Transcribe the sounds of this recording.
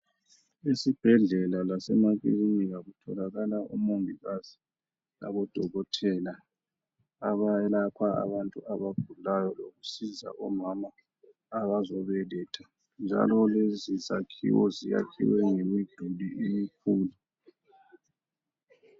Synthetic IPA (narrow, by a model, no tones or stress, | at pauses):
esib̥ʱɛɮɛlalasɛmakiriniɣaɣutʰɔlaɣalaʔṵmumbʱiɣazi̥ | la̰ɣɔd̥ʱɔɣɔtʰɛla | aβaɛlakʰaa̰βantʼuaβaɡ̥ʱulajɔloɣusiza̰ʔɔmamaː | βazɔβɛlɛːtʰa | nd͡ʒʱa̰lɔlezizakʰḭwɔzija̰kʰḭwɛŋemid̥ʱuliʔemikʰuːlu